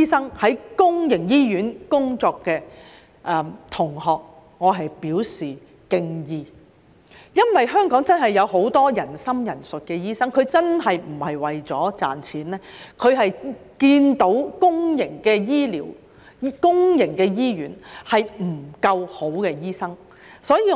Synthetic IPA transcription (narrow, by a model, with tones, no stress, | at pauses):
i˥sɐ˥ŋhɐ˨˥jkʊ˥ŋjɪ˨˩ŋjiː˥jyː˨˥nkʊ˥ŋt͡sɔː˧kːɛː˧ | ʔɛː˨t̪ʰʊ˨˩ŋhɔː˨k̚ | ŋɔː˨˧ɦɐ˨jpiː˨˥wsiː˨ | kɪ˧ŋjiː˨˧ | jɐ˥nwɐ˨jɦœː˥ŋkɔː˨˥ŋt͡sɐ˥nɦɐ˨jːɐ˨˧wɦo˨˥wt̪ɔː˥jɐ˨˩nsɐ˥mjɐ˨˩nsɵ˨t̚kɛː˧jiː˥sɐ˥ŋkʰɵ˨˧ɥt͡sɐ˥nɦɐ˨jm̩˨˩hɐ˨jwɐ˨jt͡sɔː˨˥t͡sa̰ː˨nt͡sʰiː˨˥nɛː˥kʰɵ˨˧ɥɦɐ˨jkiː˧nt̪o˨˥wkʊ˥ŋjɪ˨˩ŋkɛː˧jiː˥liː˨˩w | i˥kʊ˥ŋjɪ˨˩ŋkɛː˧jiː˥jyː˨˥nhɐ˨jm̩˨˩kɐ˧who˨˥wkɛː˧jiː˥sɐ˥ŋ | sɔː˨˥jiː˧